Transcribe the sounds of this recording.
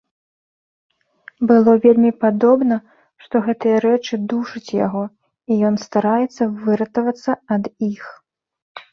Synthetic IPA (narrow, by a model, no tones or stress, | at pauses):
bɨlˠɔvʲelʲmʲipad̪ɔbnɐ | ʂt̪ɔɣɛt̪ɨjɐɾɛt͡ʂɨd̪uʂɨt͡sʲja̰ɣɔ | ijɔn̪st̪aɾajɛt̪sːɐvɨɾɐt̪ɐvɐt̪sːɐɐd̪ix